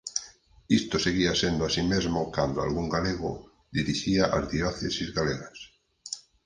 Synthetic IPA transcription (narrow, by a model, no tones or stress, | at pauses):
ist̪oseɣ̞iasjend̪oasimezmokand̪oa̰lɣuŋɡaleɣo̰ | d̪iɾiʃiaʔa̰zðioθesizɣaleɣas